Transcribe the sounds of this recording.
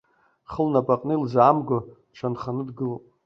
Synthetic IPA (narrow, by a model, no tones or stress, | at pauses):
χəlnapʼaqʼnɨlzaːmɡʷo | ʈ͡ʂʷʰanχanɨdɡɨlopʼ